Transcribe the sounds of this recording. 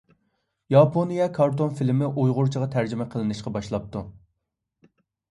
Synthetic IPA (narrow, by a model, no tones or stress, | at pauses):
jɑpʰonijɛkʰɑɾt̪onfilmɪʔojʁʊɾt͡ʃʰəʁɑt̪ʰæɾd͡ʒymɛqʰəlˠɨnɪʃqɑbɑʃlˠɑp̚t̪u